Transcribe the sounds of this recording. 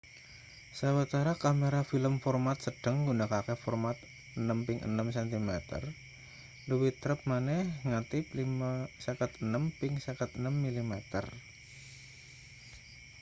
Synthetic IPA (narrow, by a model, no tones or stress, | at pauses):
sawət̪aɾakameɾafiləmfɔrmat̪səɖ̥ə̤ŋɡunakakefɔrmat̪̚ | ənəmpɪŋʔə̰nəmsɛnt̪imɛt̪ə̰r | luwit̪ɾəp̚manɛhŋat̪ɪp̚limasakət̪ənəmpɪŋsakət̪̚ənəmːilimɛt̪ə̰r